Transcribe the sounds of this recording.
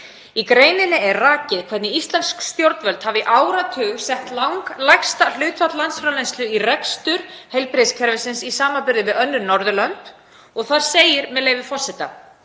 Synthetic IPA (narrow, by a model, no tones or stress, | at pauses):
ikɾeːjnɪnɪɛrraːcɪðkʰvɛt̪nɪist̪lɛnskst̪jowɾt̪nvœlt̪havɪʔaːwɾat̪ʰʏːɣsɛht̪lawŋklajxst̪al̥ʏːt̪fat̪lant̪sfɾawlejnst̪lʏirɛkst̪ʏɾ̥hejlpɾɪðskʰɛɾvɪsɪnsisaːmapʏɾðɪvɪðœnːʏnːɔɾðʏlœnt̪ | ɔɣθaɾ̥seːjɪɾmɛðleːjvɪfɔr̥sɛt̪a̰